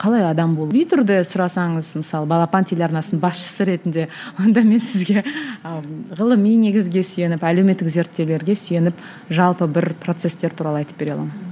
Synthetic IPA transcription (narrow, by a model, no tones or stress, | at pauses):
qʰɑlˠɑjɑd̪ɑmbolˠbijt̪ʰʏɾd̪əsʊɾɑsɑɴəzmɪsɑlˠəbɑlˠɑpɑnt̪ʰelʲɑɾnɑsənəbɑsʃə̥səɾe̞t̪ɪnd̪e̞ | wo̞nd̪ɑme̞nsɪzɡʲe̞ | ʁəlˠəmijne̞ɡʲɪzɡʲe̞sʏje̞nɪpælewmet̪ːɪkze̞ɾt̪ːe̞wle̞ɾɡʲe̞syje̞nɪp | ʒɑlˠpəbɪɾpro̞t̪se̞st̪e̞ɾt̪ʰuɾɑlˠəɑjt̪əp̚be̞ɾelˠɑ̰mən